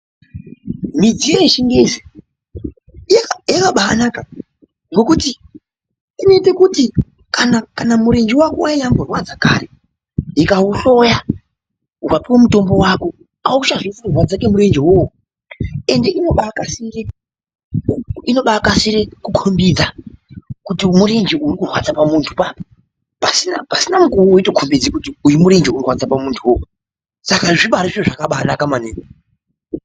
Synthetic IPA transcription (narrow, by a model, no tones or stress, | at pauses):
mid͡zijeʃiŋɡeze | jakaɓaa̰naka | ŋɡo̞kuti | ine̞te̞kuti | kanakanamuɾe̞nd͡ʒiwakowaiɲaŋɡorwad͡zakaɾe | ikauɬo̞ja | wapiwomuto̞mbo̞wako̞ | auʃaʐifurrwad͡zak̬e̞muɾe̞nd͡ʒiwowo | e̞nde̞ʔino̞ɓakasire | ino̞ɓakasiɾekukʰo̞mbid͡za | kutimurend͡ʒeurikurwat͡sapamuntʰupa | pasinapasinamukuwoitokʰombid͡zikutiujimuɾend͡ʒeurwad͡zapamuntʰuwo | sakaʐiɓaɾiʐeʐakaɓanakamanene